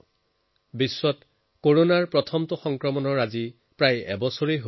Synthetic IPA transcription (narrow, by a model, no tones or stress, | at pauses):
bisːɔt | koɹonaɹpɹɔtʰɔmtʊxɔŋkɹɔmɔnɔɹazi | pɹajɛ̰bɔsoɹejɦo